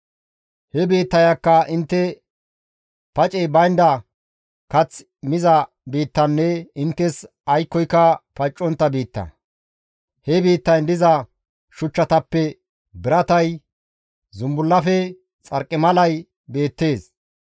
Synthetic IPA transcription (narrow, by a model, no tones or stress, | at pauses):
hɛbiːt̪ːɐjɐkːɐʔɪnt̪ːɛ | pɐt͡ʃʼɛjbɐjnd̪ɐ | kɐt͡s | mɪzɐ | biːt̪ːɐnːɛɪnt̪ːɛs | ɐjkːɔjkːɐpɐt͡ʃʼːɔnt̪ːɐbiːt̪ːɐ̰ | hɛbiːt̪ːɐjnd̪ɪzɐ | ʃʊt͡ʃːɐt̪ɐpːɛ | bɪɾɐt̪ɐj | zʊmbʊlːɐfɛ | t͡sʼɐɾkʼːɪmɐlɐj | be̞ːt̪ːe̞ːs